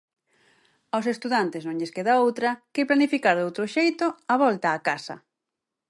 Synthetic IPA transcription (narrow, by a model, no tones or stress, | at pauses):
aws̬est̪uðant̪ɪsnõŋʎeskeðaowt̪ɾɐkeplanifikaɾðowt̪ɾoʃejt̪oaβɔlt̪aːkasɐ̰